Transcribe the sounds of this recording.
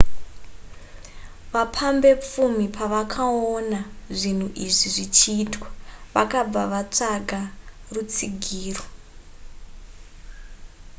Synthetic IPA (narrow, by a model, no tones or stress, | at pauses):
ʋapʰambe̞p͡fumipʰaʋakʰaonaʐin̤uʔiʐiʐit͡ʃiːtwḁʋakab͡vaʋat͡ʂaɡʱarut͡siɡʱiːro